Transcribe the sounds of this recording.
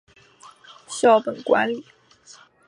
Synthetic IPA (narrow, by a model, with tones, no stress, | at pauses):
ɕjɑ˥˩ʊpə˨˩nkwa̰˧˥nli˨˩˦